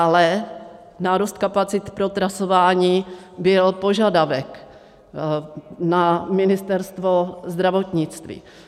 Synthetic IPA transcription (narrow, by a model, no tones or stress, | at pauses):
alɛ | naːɾust̪̚kapat͡sɪt̪pɾot̪ɾasovaːɲiː | bɪlpoʒadavɛk | namɪnɪst̪ɛɾst̪vozd̪ɾavot̪ɲɪt͡st̪vḭː